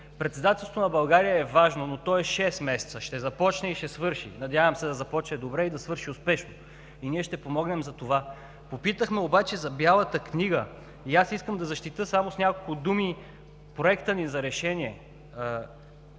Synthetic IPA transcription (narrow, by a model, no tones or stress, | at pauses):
pɾɛt̪sɛd̪at̪ɛlˠst̪onɐbɐlˠɡaɾijəɛvaʒnonot̪ɔɛʃɛsmɛsɛ̥t̪səʃt̪ɛzɐpɔt͡ʃnɛiʃɛsvɤɾʃḭnɐd̪ʲjavəmsɛd̪ɐzɐpɔt͡ʃnɛd̪obɾɛid̪ɐsvɤɾʃiʊspɛʃno | iniɛʃt̪ɛpomɔɡnɛmzɐt̪ova | popit̪əxmɛobat͡ʃɛzɐbjalˠət̪əkniɡə | iasiskəmd̪ɐzɐʃt̪it̪ɤsamosnʲakolˠkʊd̪umi | pɾoɛkt̪ənizɐɾɛʃɛniɛ